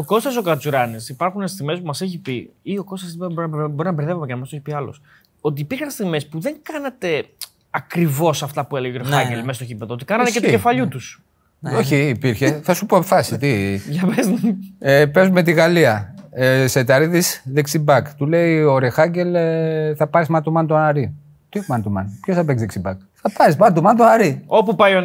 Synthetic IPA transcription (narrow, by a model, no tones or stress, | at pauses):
oko̞st̪ɐs̬okɐt͡suɾɐnisipɐɾxunest̪iɣme̞spumɐseçipiio̞ko̞st̪ɐsibo̞ɾinɐbeɾðevomecenɐmɐst̪oei̥piɐlo̰s | o̞t̪iːpiɾxɐnst̪iɣme̞spuðe̞ŋkɐnɐt̪e̞ | ɐkɾivo̞sɐft̪ɐpueleʝeoɾexɐɲɟelmest̪ocipeðoot̪ikɐnɐt̪eket̪ce̞fɐʎut̪us | oçiːpiɾçeθɐsupoefɐsit̪iɐveznepe̞zumet̪̬iɣɐliɐ | se̞t̪ɐɾiðisðeksibɐkt̪ule̞ioɾexɐɲɟe̞lθɐpɐɾizmɐt̪omɐnt̪onɐɾi | t̪imɐnt̪omɐ̰npçosθɐpekzðeksibɐk | θɐpɐɾismɐnt̪omɐnt̪oɐɾio̞pupɐjo